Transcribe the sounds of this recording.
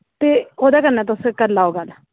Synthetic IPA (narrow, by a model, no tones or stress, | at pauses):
t̪eːoːd̪aːkəɾnaːt̪ʊskəɾlaːoːɡal